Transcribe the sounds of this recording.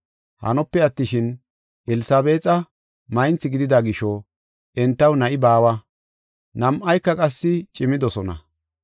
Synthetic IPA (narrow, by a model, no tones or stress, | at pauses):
hɐ̰nɔpːɛɐt̪ːɪʃɪn | ʔɛlɪsaːbe̞ːt͡sʼɐ | mɐjnt͡sːɪɡɪd̪ɪd̪aɡɪʃɔ | ʔɛnt̪ːɐwnɐʔɪbaːwɐ | nɐmʔɐjkːɐkʼɐsːɪt͡ʃʼɪmɪd̪ɔsɔnɐ̰